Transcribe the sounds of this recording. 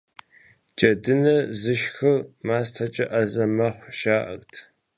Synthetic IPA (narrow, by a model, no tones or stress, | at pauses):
t͡ʃʼɐdɨnɐzɨʃxɨrmaːstʰɐt͡ʃʼɐʔɐzɐmɐχʷʃaːʔɐ̰rtʰ